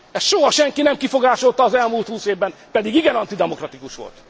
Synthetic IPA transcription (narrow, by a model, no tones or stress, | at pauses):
ɛsʃoɦɒʃɛŋkinɛmkifo̞ɡaːʃo̞lt̪ɒːzɛlmuːlt̪huːseːvbɛmpɛd̪iɡiɡɛnɒnt̪id̪ɛmo̞krɒt̪ikuʃʋo̞̰lt̪